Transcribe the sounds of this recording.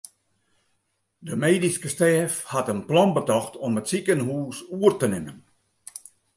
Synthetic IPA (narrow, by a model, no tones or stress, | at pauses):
dəmeːdiskəstɛːfhatənplɔnbətɔxtʰɔmətsikənhuːsuərtənɪmən